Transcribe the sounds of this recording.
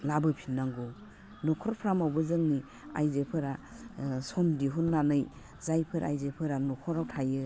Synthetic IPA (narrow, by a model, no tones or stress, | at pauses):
labɯpʰinːaŋɡɔ | nɔkʰɔɾpʰɾamawbɯzɯŋni | a̰jzepʰɯɾa | sɔmdiɦunːanɯj | zajpʰɯɾa̰jzepʰɯɾanɔkʰɔɾawtʰajɯ